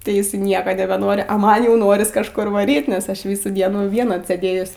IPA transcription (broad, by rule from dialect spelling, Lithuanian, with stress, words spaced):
tɐɪ ˈjɪs ɪ ˈnʲiɛkɐ nʲɛbʲɛˈnoːrʲɪ ɐ ˈmɐn jɛʊ ˈnoːrʲɪs kɐʃˈkʊr ʋɐˈrʲiːt nʲɛs ˈɐʃ ˈʋʲiːsuː ˈdʲiɛnuː ˈʋʲiɛn ɐtʲsʲeːˈdʲeːjʊs